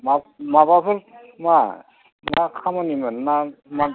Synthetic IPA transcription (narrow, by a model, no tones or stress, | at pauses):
mamabapɯl | ma | mnakʰamɔnimannama